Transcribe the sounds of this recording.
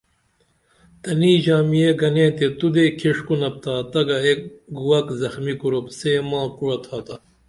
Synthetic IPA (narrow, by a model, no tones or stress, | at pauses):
t̪ɐniːʑaːmijeɡɐnẽːt̪et̪ud̪eːkʰiʂkunɐp̚t̪aːt̪ɐɡɐek̚ɡuwɐkzɐxmikuɾopseːmãːkuɽɐt̪ʰaːt̪ɐ